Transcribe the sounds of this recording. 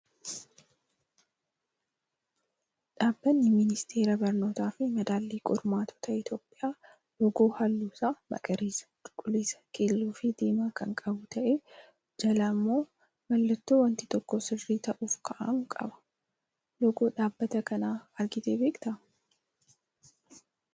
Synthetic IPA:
ᶑaːbːɐnːɪmɪnɪst̪ʰe̞ːɾɐbɐɾno̞ːt̪aːfɪmɐd̪aːlːiːkʼʊɾmaːt̪ʰɔ̥t̪ɐɪt̪jo̞ːpʼːɪjaː | jɔɡoːhɐlːuːsaːmɐ̰kʼɐɾiːsɐ̥tʼʊkʼːʊleːsɐ̥keːlːuːfɪd̪eːmaːkɐŋkʼɐbʊt̪ʰɐʔe | d͡ʒɐlɐmːo̞ː | mɐlːɐt̪ːoːwɐnt̪ɪ̥t̪ɔkːɔsɪrːiːt̪ɐʔuːfkʰɐʔɐmkʼɐ̰bɐ̥ | jɔɡoːᶑaːbːɐt̪ɐkɐnaːɐɾɡɪt̪eːbeːkʼt̪ɐʔ

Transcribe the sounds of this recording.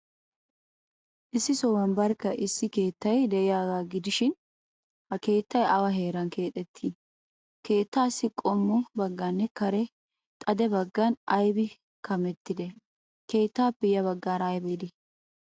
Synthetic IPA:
ʔɪsːɪsɔwɐnbɐɾkːɐʔɪsːɪke̞ːt̪ːɐjd̪ɛʔɪjaːɡaːɡɪd̪ɪʃɪn | hɐke̞ːt̪ːɐjʔɐwɐɦe̞ːɾɐnkʰe̞ːt̪ʼɛt̪ʰːin | ke̞ːt̪ːaːsɪkʼɔmːɔbɐɡːɐnːɛkɐɾɛ | t̪ʼɐd̪ɛbɐɡːɐnɐjbɪ | kɐmɛt̪ːɪd̪ɛ | ke̞ːt̪ːaːpːɛjɐβɐɡːaːɾɐjbeːd̪ɪ

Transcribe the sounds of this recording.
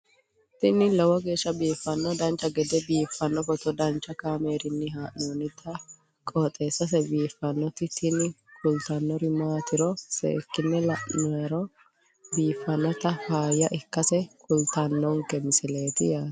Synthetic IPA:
t̪ɪnɪlɔwɔɡe̞ːʃːɐbiːfːɐnːɔd̪ɐnt͡ʃːɐɡɛd̪ɛbiːfːɐnːɔfɔt̪ɔd̪ɐnt͡ʃːɐkaːme̞ːɾɪnːɪɦaːʔnoːnːɪt̪ʰɐ | kʼɔːt̪ʼe̞ːsɐs̬ɛbiːfːɐnːɔt̪ɪt̪ʰɪnɪ | kʊlt̪ɐnːɔɾɪmaːt̪ɪɾɔsḛːkːɪnːɛlɐʔnɔɾɔ | biːfːɐnːɔt̪ɐfaːjɐʔɪkːɐsɛkʊlt̪ɐnːɔŋkːɛmɪsɪle̞ːt̪ɪjaːt̪

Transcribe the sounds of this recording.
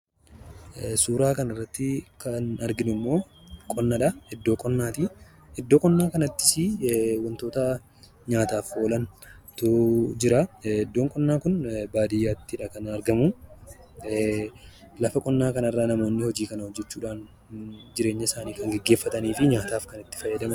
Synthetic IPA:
suːɾaːkɐnɐrːɐt̪ːɪkɐnɐɾɡɪnʊmːo̞ːkʼɔnːɐᶑɐɛd̪ːo̞ːkʼɔnːaːt̪iː | ɛd̪ːoːkʼɔnːaːkɐnɐt̪ːɪ̥sɪwɐnt̪o̞ːt̪ɐ | ɲaːt̪aːfo̞ːlɐnt̪ʊd͡ʒɪɾɐɛd̪ːo̞ːŋkʼɔnːaːkʊnbaːd̪ɪjːaːt̪ːɪᶑɐkɐnɐɾɡɐmʊ | lɐfɐkʼɔnːaːkɐnɐrːaːnɐmo̞ːnːɪhɔd͡ʒiːkɐnɐhɔd͡ʒːɛt͡ʃːuːᶑaːn | d͡ʒɪɾe̞ːɲːɐɪsaːniːkɐŋɡɛɡːe̞ːfːɐt̪ɐniːfɪɲaːt̪aːfkɐnɪt̪ːɪ̥fɐjːɐd̪ɐmɐn

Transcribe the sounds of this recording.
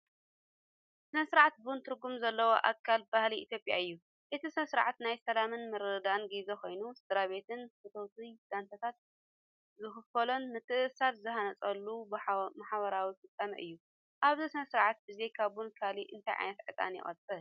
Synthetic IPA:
sɨnɐsɨɾʕat̪̚bnt̪ʰɨɾɡumzɐlːɐwoʔa̰kʰːalbahliit̪jo̞pʼja̰ɨjːu | ʔɨt̪ʰisɨnɐsɨɾʕat̪najsɐlamɨnmɨɾɨd̪aɨnɡizeko̞jnusɨd̪ɾaβe̞t̪ʰɨnfɨt̪ʰowt̪ʰid̪̥ant̪ʰɐt̪ʰat̪̚ | zɨxɨfɐlonmɨt̪ʰɨʔɨsat̪zɨhanɐt͡sʼɐlːubmaħβɐɾawifɨt͡sʼːamɐ̰ʔɨ̰jːu | ʔaβzisɨnɐsɨɾʕat̪̚bɨzejkʰaβunkʰaliʔɨnt̪ʰajʕa̰jnɐt̪ʕɨt̪ʼa̰njɪ̰χʼɐ̰t̪ʼːɐl

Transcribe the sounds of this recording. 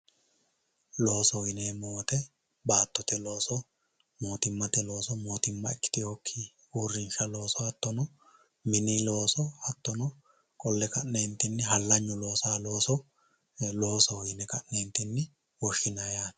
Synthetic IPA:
lo̞ːsɔjɪneːmoːt̪ɛ | baːt̪ːɔt̪ɛlo̞ːsɔ | mo̞ːt̪ɪmːɐt̪ɛlo̞ːsɔmoːt̪ɪmːɐ̰ɪkːɪ̥t̪ɪjokʰːi | uːɾːɪnʃɐlo̞ːsɔɐt̪ːɔnɔ | mɪnilo̞ːsɔhɐt̪ːɔnɔ | kʼɔlːɛkɐnneːnt̪ːɪnːɪɦɐlːɐɲːʊlo̞ːsaːlo̞ːsɔ | lo̞ːsɔjɪnɛkɐʔneːnt̪ːɪnːɪ | wɔʃːɪnɐjaː

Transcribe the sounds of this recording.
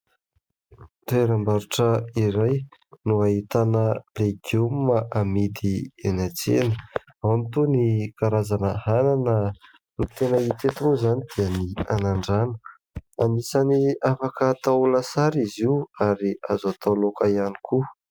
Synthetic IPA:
reɾambaɾuʈ͡ʂəiɾajnuait̪anəleɡuməʔamid̪ienat͡sḛnə | awamit̪unikaɾazanəhananə | nut̪enəit̪et̪unuzanid̪̥iənianaɳɖ͡ʐanə̥ | anisaniafakət̪aulasaɾiziwaɾiazat̪ʰalokaiani̥ku

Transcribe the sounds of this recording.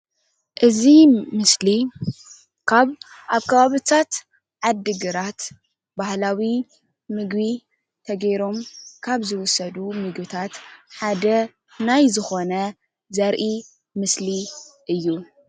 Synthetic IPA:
ʔɨzimɨsli | kʰaβ | ʔaβkʰɐβaβɨt̪ʰat̪ | ʕad̪ɨɡɨɾat̪ | bahlawi | mɨɡbi | t̪ʰɐɡejɾo̞mkʰaβzɨwʊsːɐd̪umɨɡbɨt̪ʰat̪ħad̪ɐ | najzɨxo̞nɐ | zɐɾʔi | mɨsliʔɨjːu

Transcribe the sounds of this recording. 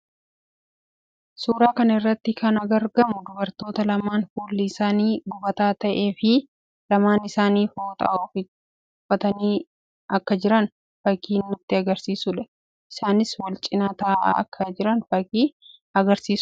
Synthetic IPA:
suːɾaːkɐnɪrːɐt̪ːɪkʰɐnɐɡɐɾɡɐmʊd̪ʊbɐɾt̪o̞ːt̪ɐlɐmaːnfuːlːɪɪsaːniːɡʊbɐt̪aːt̪ɐʔe̞ːfɪ | lɐmaːnɪsaːniːfoːt̪ʼɐ̰ʔoːfɪ | ʊfɐt̪ɐniː | ɐkːɐd͡ʒɪɾɐn | fɐkiːnːʊt̪ːɪɐɡɐɾsiːsʊᶑɛ̥ | ɪsaːnɪswɐlt͡ʃʼɪnɐt̪aːʔa̰ɐkʰːɐd͡ʒɪɾɐnfɐkiː | ɐɡɐɾsiːsʊ

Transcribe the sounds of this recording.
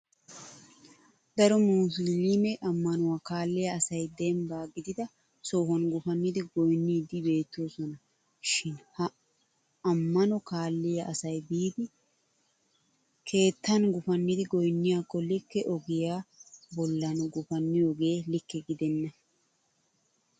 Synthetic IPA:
d̪ɐɾɔmuːsɪlimɛʔɐmːɐnʊwaːkaːlːɪjɐɐsɐjd̪ɛmbaːɡɪd̪ɪd̪ɐ | soːhɐnɡʊfɐnːɪd̪ɪɡɔjnːiːd̪ɪbe̞ːt̪ːoːsɔnɐ | ʃɪnhɐ | ɐmːɐnɔkaːlːɪjɐʔɐsɐjbiːd̪ɪ | kʰe̞ːt̪ːɐnɡʊfɐnːɪd̪ɪɡɔjnːɪjaːkːɔlɪkːɛʔɔɡɪjaːbɔlːɐnɡʊfɐnːɪjɔɡe̞ːlɪkːɛɡɪd̪ɛnːɐ

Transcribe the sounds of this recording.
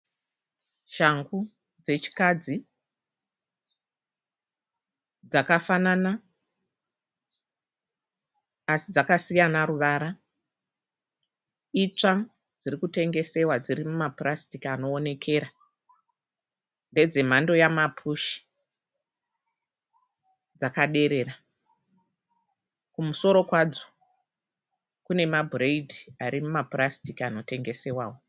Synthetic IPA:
ʃaŋɡu | d͡ze̞t͡ʃi̥kad͡zi | d͡zakafanana | asid͡zakasijanaɾuʋaɾa | it͡ʂa | d͡zirikute̞ŋɡe̞se̞wad͡ziɾimumaprastikano̞ːne̞kʰe̞ːɾa | nde̞d͡ze̞m̤ando̞jamapʰuʃi̥ | d͡zakaɗe̞ɾe̞ra | kumuso̞ɾo̞kwad͡zo̥ | kune̞mabʱureidʱiaɾimumaprastikano̞te̞ŋɡe̞se̞waːwo̞

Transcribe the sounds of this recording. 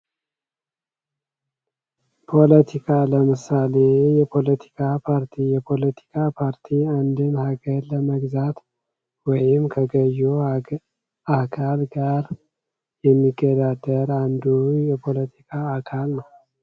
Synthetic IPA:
pʰo̞lət̪ʰikʰaləmɨsale̞jɛpʰo̞lət̪ʰi̥kʰapʰaɾt̪ʰijɛpʰo̞lət̪ʰi̥kʰapʰaɾt̪ʰiand̪ɨnhaɡəɾləməɡzat̪ | wɔjɪmkʰəɡəjːu | akʰalɡaɾ | jɛmːiɡːəd̪ad̪əɾand̪ujɛpʰo̞lət̪ʰi̥kʰaːkʰalnəw

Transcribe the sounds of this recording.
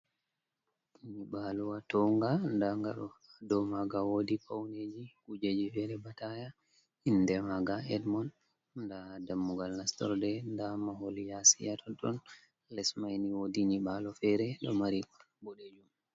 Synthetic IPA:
iɲiɓaluwatɔŋɡandaŋɡaɗɔadɔmaɡawodipawned͡ʒikud͡ʒed͡ʒifɛɾɛbataja | inːdɛmaɡaɛdmɔn | ndadamːuɡalnastɔ̰ɾdɛndamaholijasḭjatʰɔɗɔn | lɛsmajniwodiɲiɓalɔfɛɾɛɗɔmaɾikɔnbɔɗed͡ʒum

